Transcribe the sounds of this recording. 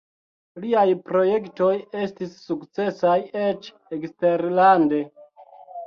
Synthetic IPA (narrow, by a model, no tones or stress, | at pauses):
liajpɾo̞je̞kto̞je̞stisːukt͡se̞sajet͡ʃ | ekste̞ɾlande̞